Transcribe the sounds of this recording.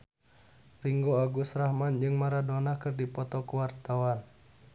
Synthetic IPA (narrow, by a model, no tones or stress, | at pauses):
riŋɡoaɡusrahmand͡ʒɨŋmaɾadɔnakɨrdipɔt̪ɔkuwart̪awan